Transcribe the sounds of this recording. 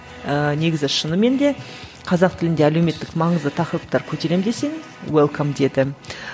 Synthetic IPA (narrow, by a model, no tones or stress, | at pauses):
əne̞ɡʲɪzɪʃənəme̞nd̪e̞ | qʰɑzɑqt̪ʰɪlɪnd̪eælewme̞t̪ːɪkmɑɴəzd̪ət̪ʰɑqəɾəp̚t̪ɑɾkʲʰɵt̪e̞ɾe̞md̪e̞se̞n | welˠkʰamd̪e̞d̪ɪ